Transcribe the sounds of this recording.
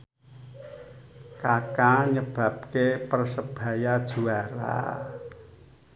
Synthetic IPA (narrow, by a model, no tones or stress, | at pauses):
kakaɲəb̥ä̤p̚kepərsəb̥a̤jad̥ʒ̥ṳaɾa̰